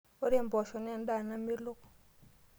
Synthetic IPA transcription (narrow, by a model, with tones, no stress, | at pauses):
o˦ɾe˦˨mbɔ˨ʃɔ˨n˦a˦˨nda˦˨na˦mi˦lo˦k